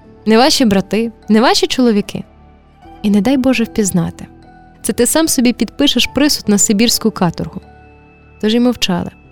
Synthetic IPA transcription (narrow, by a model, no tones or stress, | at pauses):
nɛʋɑʃʲibɾɐt̪ɪnɛʋɑʃʲit͡ʃɔlˠɔʋʲikʰɪ̰ | inɛd̪ɑjbɔʒɛwpʲiznɑt̪ɪ̥ | t̪sɛt̪ɪsɑmsɔbʲipʲid̪pɪʃɐʃpɾɪsʊ̥t̪nɐsɪbʲirsʲkʊkɑt̪ʊrɦʊ | t̪ɔʒimɔwt͡ʃɑ̰lˠɪ̰